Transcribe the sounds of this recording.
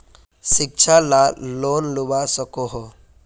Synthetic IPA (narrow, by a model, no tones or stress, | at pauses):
ʃɪk̚t͡ʃʰalaloːnlʊbasɐkoɦo